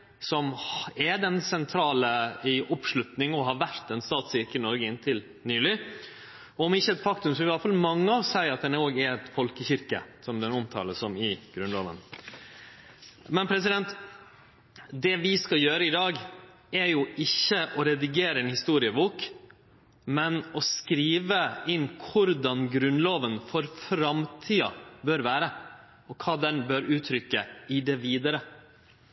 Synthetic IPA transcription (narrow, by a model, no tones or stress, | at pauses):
sɔmɛd̪ɛnsɛnt̪ʰɾɑːləɪʔɔpʂɭʉt̪nɪŋɔɦɑɾʋæɾt̪ɛnst̪ɑːt̪sɪɾkəɪnɔɾɡəɪnt̪ʰɪl | nyːlɪ | ɔɔmɪçːəɛt̪fɑkt̪ʉmsɔʋɪʋɪɑlfɑlmɑŋːəɑʋsæɪɾɑt̪̚d̪ɛnɾoːɡɛɛt̪fɔlkəçɪɾkə̰sɔmd̪ɛnɔmt̪ʰɑ̰ːləsɔmɪɡ̥ɾʉnloːʋə̰n | mɛnpʰɾɛsɪd̪ɛnt̪ | d̪ɛʋɪskɑljøːɾəɪd̪ɑːɡ | ɛɾjʊʔɪçːəʔɔɾɛd̪ɪɡeːɾəɛnhɪst̪uːɾɪəbuːk | mɛnɔskɾiːʋəɪnːkʰʊɾd̪ɑnɡɾʉnloːʋənfɔɾfɾɑmt̪ʰiːɑ̰bøːɾʋæːɾə | ɔkʰɑːd̪ɛnbøɾʉːt̪ʰɾʏkːəɪd̪ɛʋiːd̪əɾə